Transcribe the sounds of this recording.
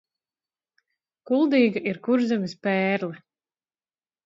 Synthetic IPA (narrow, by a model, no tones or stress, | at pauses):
kulˠd̪iːɡaʔiɾkuɾzamispɛːɾlɛ